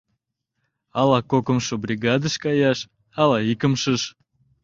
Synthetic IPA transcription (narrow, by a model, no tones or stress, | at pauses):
ɑlɑkokə̆mʃobrʲiɡɑd̪əʃkɑjɑʃ | ɑlɑikəmʃəʃ